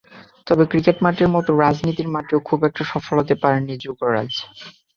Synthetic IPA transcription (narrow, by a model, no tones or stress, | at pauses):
t̪ɔbekɾikeʈmaʈeɾmɔt̪oɾad͡ʑnit̪iɾmaʈeokʰubɛk̚ʈaʃɔfolɦot̪epaɾenid͡ʑukoɾa̰d͡ʑ